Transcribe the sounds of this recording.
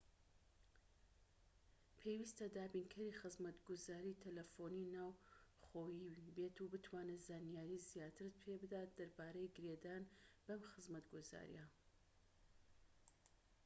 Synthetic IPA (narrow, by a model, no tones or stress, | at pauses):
pʰewist̪ɐd̪aːbinkʰɐɾixɨzmɐt̪ɡʊzaːɾiːt̪ʰɐlɐfoninaːwχoːjibet̪ubɨt̪ʰwaːnezaːnjaːɾizijaːt̪ʰɨɾpʰebɨd̪aːt̪̚d̪ɐɾbaːɾɐjɡɨɾed̪aːnb̥ɐmxɨzmɐt̪ɡuza̰ːɾḭja